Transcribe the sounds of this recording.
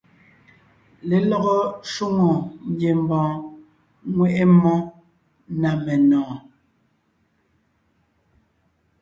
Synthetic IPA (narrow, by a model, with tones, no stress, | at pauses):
le˨lɔ˦ɣɔ˦ʃu˦ŋɔ˨ɲ˦je˨m˨bɔ̃ː˨ | ŋwɛ˦ʔe˦mɔ˦ | na˨mɛ˨nɔ̃ː˨